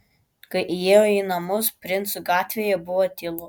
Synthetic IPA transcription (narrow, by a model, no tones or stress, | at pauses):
kɐɪʔijeːjoiːnɐmʊspʲɾʲɪnt̪sʊɡɑːt̪ʲʋʲeːjɛbʊʋɔt̪ʲɪlˠʊ